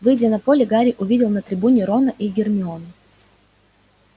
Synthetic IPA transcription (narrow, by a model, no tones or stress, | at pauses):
vɨjdʲɪnɐpo̞lʲɪɡaɾʲɪʔʊvʲidʲɪlˠnət̪ɾʲɪbunʲɪɾo̞nəʔiɡʲɪrmʲɪon